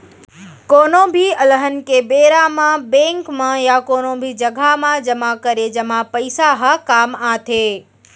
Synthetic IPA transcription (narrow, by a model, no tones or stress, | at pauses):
koːnõbʱiɐləɦənɪ̆kebeːɾamãbẽːŋkmãjakoːnõbʱid͡ʒɐɡʱamãd͡ʒɐmãkɐɾed͡ʒɐmãpɐɪsaɦakaːmaːt̪ʰeː